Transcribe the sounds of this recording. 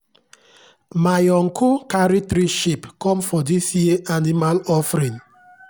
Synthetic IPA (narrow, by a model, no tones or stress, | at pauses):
majɔŋkʰukaɾitɾiʃipkɔ̃mfɔdisjieʔanimalɔfɾĩn